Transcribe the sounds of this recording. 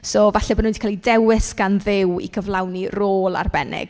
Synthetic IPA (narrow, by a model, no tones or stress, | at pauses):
soːvaɬɛbɔnũndi̥kʰalˠidɛwɪsɡ̥anðɪwḭkʰəvlˠawniroːlˠa̰rbɛnɪ̰ɡ̥